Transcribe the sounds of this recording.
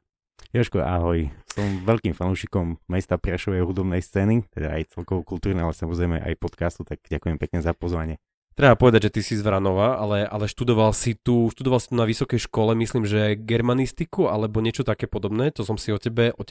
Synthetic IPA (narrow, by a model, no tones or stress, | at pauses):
jaʃkɔa̰ɦɔjsɔmʋɛʎkiːmfanuʃikɔmːɛst̪apɾaʃɔʋɛjɦud̪ɔbnɛjst͡sɛːnit̪ɛd̪a̰ajt͡sɛlkɔʋɔkult̪uːɾnɛalɛsamɔzɾɛjmɛ̰ʔa̰jpɔt̪kast̪ut̪aɡ̥ɟakujɛmpɛkɲɛzapɔzʋaɲɪɛ | t̪ɾɛbapɔʋɛd̪aɟʒɛt̪isizʋɾanɔʋaalɛʔalɛʃt̪ud̪ɔʋalsit̪uʃt̪ud̪ɔʋalˠsi̥t̪unaʋisɔkɛjʃkɔlɛmisliːmʒɛɡɛɾmanist̪ikualɛbɔɲɪɛt͡ʃɔt̪akɛːpɔd̪ɔbnɛːt̪ɔsɔmsiɔcɛbɛʔɔ